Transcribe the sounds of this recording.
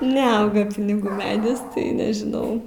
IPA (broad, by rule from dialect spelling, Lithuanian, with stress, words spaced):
nʲɛˈɐʊɡɐ pʲɪnʲɪˈɡuː ˈmʲæːdʲɪs tɐɪ nʲɛʒʲɪˈnɐʊ